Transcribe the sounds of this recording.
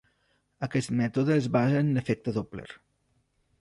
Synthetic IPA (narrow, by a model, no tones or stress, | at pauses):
əkɛst̪mɛt̪oðəːzβazəːndəfɛk̚t̪əðoplḛɾ